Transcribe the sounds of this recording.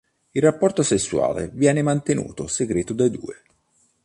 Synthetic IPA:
ilrapːɔrt̪osesːua̰ːlḛvjɛːnemant̪enṵːt̪oseɡɾeːt̪od̪ad̪ṵːe

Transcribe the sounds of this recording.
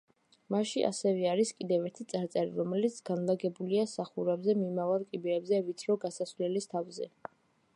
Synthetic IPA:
maʃiʔa̰sɛvɛaɾiskʼid̪ɛvɛɾt̪ʰit̪sʼaɾt̪sʼɛɾḭɾɔmɛlit̪sʰɡ̥anlˠaɡɛbuliasaχuɾɛbzɛmimavalˠkʼibɛɾɛbzɛvit̪sʰɾɔɡasasvlɛlist̪ʰavzɛ̰

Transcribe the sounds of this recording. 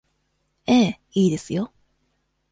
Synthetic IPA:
eː | iːd̪e̞sɨjo̞

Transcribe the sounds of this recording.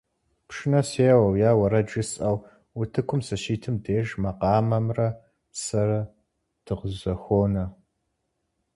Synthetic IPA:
pʂɪnɐseːwɐwjaːwɐɾɐd͡ʒɨsʼɐw | wʊtʰɨkʷʰʊmsɐʃiːtʰɨmdeːʒmɐqɑːmɐmrɐ | sɐɾɐ | tʰɨʁzɐxʷoːnɐ

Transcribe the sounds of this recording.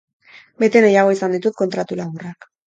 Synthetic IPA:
be̞t̪e̞najaɣ̞o̞isand̪it̪ut̪̚ko̞nt̪ɾat̪ulaɣurak

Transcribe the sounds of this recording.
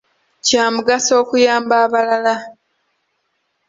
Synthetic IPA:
caːmuɡaso̞ːkujaːmbaːβalala

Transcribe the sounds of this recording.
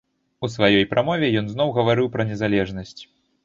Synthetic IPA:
usvajɔjpɾʔamɔvʲɛjɔnznɔwɣɐvaɾɨwpɾɐnʲɛzalʲɛʐnɐsʲt͡sʲ

